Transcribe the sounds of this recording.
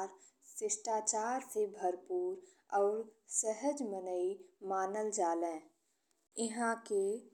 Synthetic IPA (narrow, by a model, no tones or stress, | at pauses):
ɾ | sɪsʈaːt͡ʃaːɾsebʱəɾpuːɾ | ɔːɾsəɦəd͡ʒmənəimaːnəld͡ʒaːlẽː | ɪɦãke